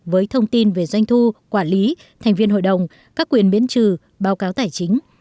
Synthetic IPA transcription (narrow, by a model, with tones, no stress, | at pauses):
vəː˨˦jt̪ʰə˧wŋ͡mt̪i˧nve˨˩zwa˧jŋ̟t̪ʰu˧kwaː˧˩nli˨˦ | t̪ʰɛ˨˩ŋ̟vi˧ənɦo̰˧˨jɗə˨˩wŋ͡m | kaː˦˥kːwi˨˩ənɓḭ˧˥ənt͡ɕɨ˧˩ | ɓaː˨˦wkaː˨˦wt̪aː˧˩jt͡ɕï˨˦ŋ̟